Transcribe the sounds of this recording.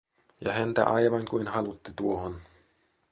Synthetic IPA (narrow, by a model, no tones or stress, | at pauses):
jɑ̰hænt̪æ̰ʔɑjʋɑŋkujnhɑlut̪ːit̪uohon